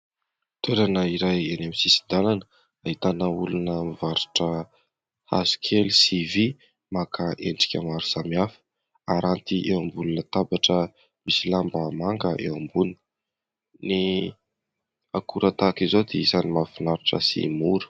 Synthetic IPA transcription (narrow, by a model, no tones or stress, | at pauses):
t̪ʰeɾanəiɾajenemisisid̪alanə | aɦit̪anəulunəmivaɾiʈ͡ʂə | ha̰si̥kʰelsivi | makaʔeɳɖ͡ʐi̥kʲamaɾusamiafə̥ | aɾant̪iʔewambulunət̪abaʈ͡ʂə | misilambəmaŋɡəʔḛwambuni̥ | ni | akuɾat̪akizod̪eisanimafinaɾiʈ͡ʂə̰sḭmuɾə̥